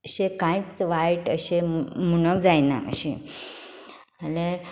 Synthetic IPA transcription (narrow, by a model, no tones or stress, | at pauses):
ɕekãjt͡sʋajʈəɕemuñəkd͡zajna̰ə̰ɕḭ̃ | əle